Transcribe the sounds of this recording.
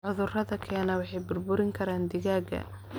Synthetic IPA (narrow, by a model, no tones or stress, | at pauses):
ʕʊðʊrɐðɐkʰɛːnɐwɑħɑjbʊrbʊɾɪŋkʰɐɾaːnd̪ɪɣaːɡɐ̰